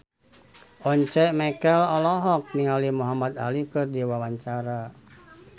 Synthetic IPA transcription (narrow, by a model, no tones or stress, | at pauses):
ʔɔɲt͡ʃɛʔmɛkɛlɔlɔɦɔk̚niŋalimuɦamat̪a̰likɨrdiwawaɲt͡ʃaɾa